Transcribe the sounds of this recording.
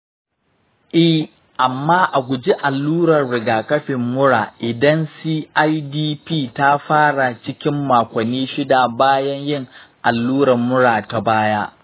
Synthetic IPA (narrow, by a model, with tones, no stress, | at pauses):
ʔɛ˦˨ | ʔa˨mːaː˦ʔa˨ɡʷʊ˨d͡ʒi˦ʔa˨lːuː˦ɾɐ˨rɽɪ˨ɡaː˨kɐ˦ɸɪ˨mːʊ˦ɽaː˨ʔɪ˨dɐ˦nsiː˦ʔa˦jdiː˦piː˦˨ta˦ɸaː˦ɽa˨t͡ʃɪ˦kʲɪ˦mːaː˨kʷɐ˨nːiː˦ʃɪ˦da˨baː˦jɐ˦ɲjɪ˦˨ŋʔa˨lːuː˦ɾɐ˨mːʊ˦ɽaː˨ta˨baː˦jaː˦ʔ